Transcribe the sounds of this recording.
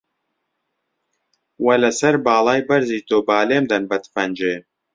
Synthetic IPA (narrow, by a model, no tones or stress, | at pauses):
wɐlɐsɐɾbaːlˠaːjbɐɾziːt̪oːbaːleːmd̪ɐnbɐt̪fɐnd͡ʒe